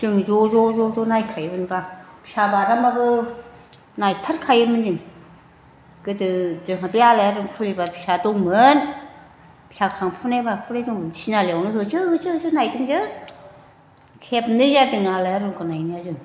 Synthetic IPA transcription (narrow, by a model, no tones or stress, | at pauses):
zɯŋzɔzɔzɔzɔnajkʰajbɯnbapʰisabaɾamabɯ | najtʰaɾkʰajɯmɯnzɯŋ | ɡ̥ɯdɯzɯŋɦabialajaɾɯŋpʰuɾibapʰi̥sadɔŋmɯn | pʰi̥sakʰaŋpʰunajbapʰuɾajdɔŋmɯnsinaleawnɯɦɯt͡ʃʰɯhɯsɯɯzɯnajdɯŋzɯ | kʰep̚nɯzadɯŋalajaɾɯŋkʰɯnajnijazɯŋ